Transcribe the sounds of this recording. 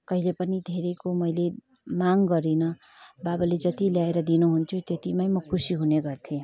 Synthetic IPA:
kʌɦilepʌnid̪ʱeɾekomʌjle | maŋɡʌɾinʌ | babaled͡zʌt̪iljaeɾʌd̪inuɦunt̪ʰjut̪et̪imajmʌkʰusiɦuneɡʌrt̪ʰĩ

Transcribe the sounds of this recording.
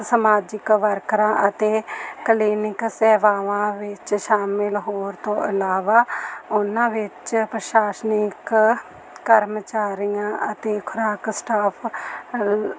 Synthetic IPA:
səmaːd͡ʒɪkʋəɾkɾãːʔət̪eːkəliːnɪksɛːʋaːʋãːʋɪt͡ʃʃaːmɪlɦoːɾt̪õːʔɪlaːʋaːʊnãːʋɪt͡ʃpɾəʃaːsnɪkː | əɾmət͡ʃaːɾijãːʔət̪eːkʰʊɾaːksʈaːpʰ

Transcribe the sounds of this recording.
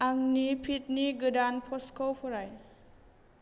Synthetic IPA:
ʔaŋnipʰit̚niɡɯdanpʰɔskʰɔwpʰɔɾaj

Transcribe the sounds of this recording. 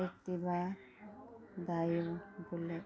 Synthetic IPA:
ekt̪iba | d̪ajobule

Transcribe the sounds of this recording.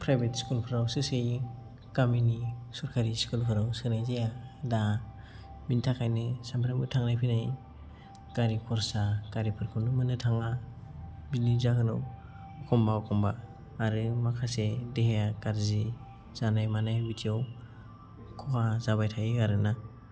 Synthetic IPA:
pʰɾajbetskulpʰɾawsɯsɯj | kaminisɔɾkʰaɾiskulpʰɯɾawsɯnajzejada | bintʰakʰajnɯsampʰɾamɯtʰaŋnajpʰinaj | kaɾikʰɔɾsakaɾipʰɯɾkʰɯnɯmɯnɯtʰaŋa | bilizakɯnɯ̰w | ɔkʰɔmbaɔkʰɔmbaː | ɾɯmakʰasedeɦejakaɾzi | z̥anajmanajbitʰijaw | kʰɔkazaβajtʰajiaɾɯna

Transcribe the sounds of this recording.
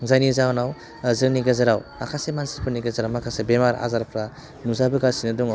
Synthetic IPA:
zajnizawnaw | zɯniɡazaɾawa̰kʰasemansi̥pʰɯniɡazaɾawmakʰasebemaɾa̰zaɾpʰɾa | nuzabɯɡasinɯduŋa

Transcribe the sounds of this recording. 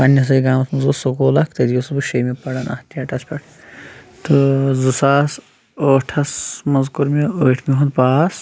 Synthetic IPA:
ɐnːɐs̬ɐiɡaːmɐsmɐzusokoːlɐkʰt̪ɐd̪ijosbuʃɐjmepɐɽɐnɐ̰ht̪iɐʈɐspʲɐʈʰ | t̪ɨzusaːs | oːʈʰɐsmɐzkuɾmeəːʈʰmiɦund̪paːs

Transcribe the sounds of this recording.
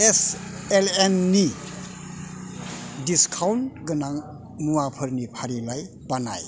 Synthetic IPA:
eselenːi | diskʰawntɡənaŋ | muwapʰəɾnipʰaɾilaj | bana̰j

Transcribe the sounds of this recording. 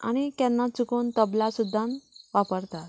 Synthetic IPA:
a̰ɽ̃it̪janːat͡sukoːnt̪əblasud̪ʱːãnʋapəɾt̪at̪

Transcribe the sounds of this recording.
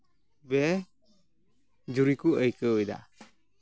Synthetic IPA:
bɛ | d͡ʒuɾikuʔəjkəəjd̪a̰

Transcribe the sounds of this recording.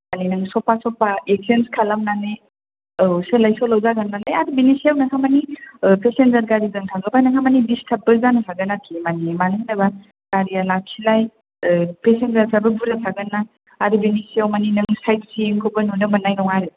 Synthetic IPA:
maninɯŋsɔpasɔpaek̚senskʰalamnane | selajsɔlawzaɡanːalajaɾbinisijawnakʰamanipesenzaɾɡaɾizɯŋtʰaɡɯbanakʰamanibistʰap̚bɯzanɯtʰaɡɯnakʰimanimanɯŋnaba | kaɾialakʰilaj | pesenzaɾkʰabəbuɾatʰaɡɯnːa | aɾɯbinisijawmaninɯŋsajt̚sieŋkʰobɯnunɯmɐnːajnɔŋaɾɯ

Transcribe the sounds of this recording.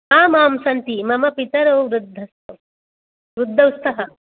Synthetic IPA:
aːmaːmsɐnt̪imɐmɐpit̪ɐɾoːʋɾud̪ʱːɐst̪ɐ | ʋɾud̪ʱːɐwst̪ʰɐɦɐ

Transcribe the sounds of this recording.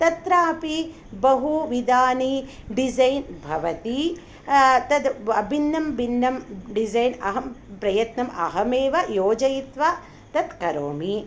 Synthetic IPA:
t̪ɐt̪ɾaːpi | bɐɦuʋid̪aːni | ɖid͡ʒɐjnbʱɐʋɐt̪i | t̪ɐd̪ɐbʱinːɐmbinːɐmɖizɐjnɐ̰ɦɐmpɾɐjɐt̪nɐmɐ̰ɦɐmeːʋɐjoːd͡ʒɐjit̪ʋaː | t̪ɐt̪kɐɾoːmi

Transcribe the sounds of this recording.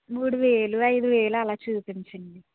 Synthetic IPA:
muːɽuʋeːluɐjd̪uʋeːluɐlaːt͡ʃuːpiɲt͡ʃɐɳɖi

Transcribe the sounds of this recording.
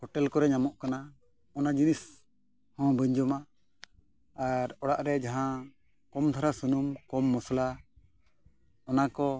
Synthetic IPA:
hɔʈɛlkɔɾɛɲamɔʔkana | ɔnad͡ʒinis | hɔ̃bəɲd͡ʒɔma | aɾɔɽaʔɾɛd͡ʒaɦã | kɔmt̪ʰaɾasunumkɔmːɔsla | ɔnakɔ

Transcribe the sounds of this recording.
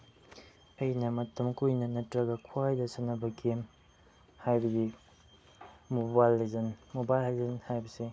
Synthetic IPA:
ɐjnɐmɐtʰɐmkujnɐnɐtɾɐɡɐkʰwajdɐsɐnːɐbɐkʰem | hajbɐɡi | mobajlzɐnmobajlhalzɐnhajbɐsi

